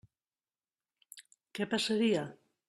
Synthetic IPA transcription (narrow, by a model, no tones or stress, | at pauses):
kepaseɾia